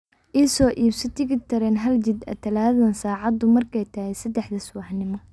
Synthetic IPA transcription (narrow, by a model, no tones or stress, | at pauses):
ʔiːsɔːʔiːbsɪt̪ʰɪɣɪt̪ʰɐɾɛːnɦɐlt͡ʃɪd̪ɐ̰t̪ʰɐlaːðɐnsaːʕɑd̪ʊmɐrkʰɛjt̪ʰɐhɛsɐd̪ɛħd̪ɐsʊwɑħnɪmɔ